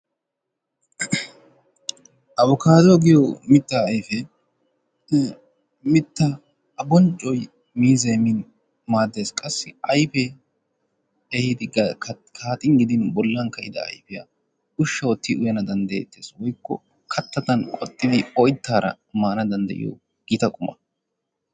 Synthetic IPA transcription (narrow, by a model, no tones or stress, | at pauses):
ʔɐβɔkʰaːd̪oɡɪjɔmɪt̪ːaɐjfɛ | mɪt̪ːa | ɐbɔnt͡ʃʼːɔj | miːzeːmɪn | maːd̪ːe̞ːskʼɐsːɪɐjfɛ | ehɪd̪ɪ | kʰaːt̪ʼɪŋɡɪd̪ɪnbɔlːɐŋkɐʔɪd̪ɐɐ̰jfɪjɐ | ʊʃːɐɔt̪ːɪʔʊjɐnɐd̪ɐnd̪ɐjḛt̪ːeːswɔjkːɔ̰ | kʰɐt̪ːɐt̪ɐnkʼɔt̪ʼːɪd̪ɪɔjt̪ːaːɾɐ̰ | maːnɐd̪ɐnd̪ɐ̰jʔɪ̰jo̰ː | ɡ̥iːt̪ɐkʼʊmɐ